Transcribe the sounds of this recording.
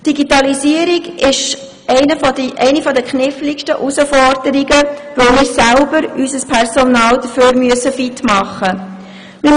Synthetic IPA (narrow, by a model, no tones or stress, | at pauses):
d̥iɡitɑlisiəɾiɡɪʃ | ɛɪnəfɔdʔɛɪnifɔdəkχnɪflikʃtəʔusəfɔrd̥əɾiɡəʋoʊmɪːɾsælbəɾysəspʰɛrsɔnɑːld̥əføːɾmyəsəfitmɑχːə | nym